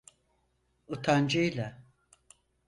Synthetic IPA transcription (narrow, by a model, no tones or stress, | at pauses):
ut̪ʰand͡ʒɯjlʲa